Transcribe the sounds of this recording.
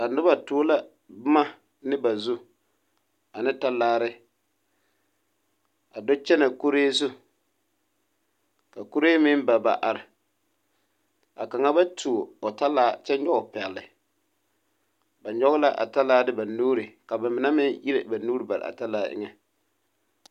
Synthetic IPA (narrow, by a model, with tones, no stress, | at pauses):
a˨nʊ˦ba˨tʊː˦la˦ | bʊ˦ma˦ | nɪ˦ba˨zu˦ | a˨nɪ˦ta˦laː˦ɾɪ˦ | a˨dɔ˦t͡ʃɛ˦na˨ko˦ɾeː˦zʊ˦ | ka˨ko˦ɾeː˦mɪ˦nba˨ba̰˨ʔa˨ɾɪ˨ | a˨ka˨ŋa˦ba˦tʰu˨ɔ˨ta˦laː˦t͡ʃɛ˦ɲ˦ɔ˦ɡʊ˨pɛ˨lːɪ˨ | ba˨ɲ˦ɔ˦ɣla˦ʔa̰˨ta˦laː˦dɪ˦ba˨nuː˦ɾɪ˨ka˨ba˨mɪ˨na˦mɪ˦ŋi˦ɾḛ˨ba˨nuː˦ɾɪ˨ba˨ɾɪ̰˨a̰˨ta˦laː˦ʔɪ̰˦ŋɛ˦